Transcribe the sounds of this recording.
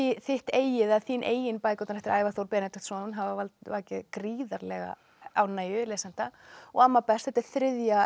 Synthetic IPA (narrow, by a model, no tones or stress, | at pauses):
iθɪht̪eːjɪðaðθiːnʔḛːjɪnpaːjkɔt̪anɛft̪ɪɾaːjvaθowɾpɛːnɛt̪ʏ̥ht̪sɔːnnɦavavalt̪vaːcɪðkɾiːðaɾlɛɣa̰ | awnaːjʏlɛːsan̥t̪aɔɣamːapɛst̪θɛt̪ɪɾ̥θɾɪðja